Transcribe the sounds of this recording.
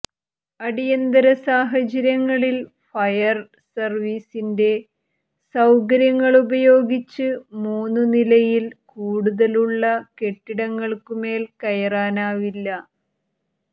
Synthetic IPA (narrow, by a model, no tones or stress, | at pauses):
ɐɽijɐnd̪ɐɾɐsaːɦɐt͡ɕɐɾjɐŋːɐɭil | fɐjɐr | sɐrʋiːsinde̞ | sɐwkɐɾjɐŋːɐɭubɐjo̞ːɡit͡ɕːɨmuːnːunilɐjilkuːɽuðɐluɭːɐke̞ʈːiɽɐŋːɐɭkume̞ːlkɐjɐraːnaːʋilːɐ